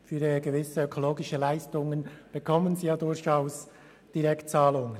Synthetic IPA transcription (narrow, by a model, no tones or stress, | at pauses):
fyːɾəɡəvɪsəøkʰoloːɡɪʃəlaɪstʊŋənb̥əkʰɔmənziːjaːdʊɾçaʊs | d̥iʁɛktt͡saːlʊŋə